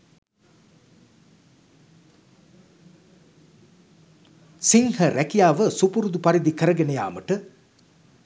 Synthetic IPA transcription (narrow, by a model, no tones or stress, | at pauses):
siŋhəɾækijaːʋəsupuɾud̪upaɾid̪ikəɾəɡenəja̰ːməʈə